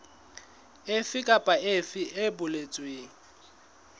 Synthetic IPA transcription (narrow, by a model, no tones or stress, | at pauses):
efɪkʼapʼaefɪʔebʊlet͡sʼweːŋ̩